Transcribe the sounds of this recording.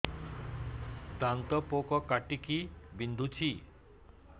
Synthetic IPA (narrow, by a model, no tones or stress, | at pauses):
t̪ant̪ɔpokɔkaʈikibind̪ʱut͡ʃʰi